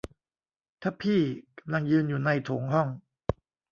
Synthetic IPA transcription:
t̪ʰa˦˥˩pʰiː˥˩ka˧mla˧ŋjɯː˧njuː˨˩na˧jt̪ʰoː˩˦ŋɦɔ˥˩ŋ

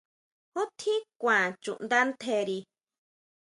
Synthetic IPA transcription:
o˦t̪ʰĩ˦kʷã˨t͡ʃṵ̃˨ʔnd̪a˦nt̪ʰe˧ɾi˧

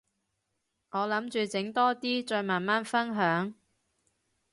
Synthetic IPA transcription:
ŋɔː˨˧lɐ˨˥mt͡ʃyː˨t͡sɪ˨˥ŋt̪ɔː˥t̪iː˥t͡ʃɔː˧jmaː˨˩nmaː˥nfɐ˥nɦœː˨˥ŋ

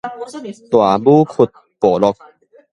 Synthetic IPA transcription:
t̪wa˨˩buː˦kʰu˧t̪̚ | poː˨˩lɔ˧k̚

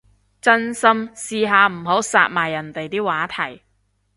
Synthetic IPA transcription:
t͡sɐ˥nsɐ˥msiː˧ɦaː˨˧m̩˨˩ɦo˨˥wsa̰ː˧t̚maː˨˩jːɐ˨˩nt̪e˨jt̪iː˥waː˨˥t̪ʰɐ˨˩j

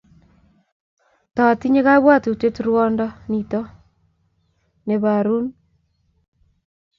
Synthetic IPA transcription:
tɔ˨ti˦ɲe˦ka˦βwa˦tu˨te˦tɾwɔ˦ndɔ˦ni˨tɔ˦ | ne˨βa˨ɾu˦n

